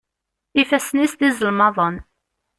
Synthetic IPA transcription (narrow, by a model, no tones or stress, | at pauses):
ifæsnisd̪izəlmɑðˤən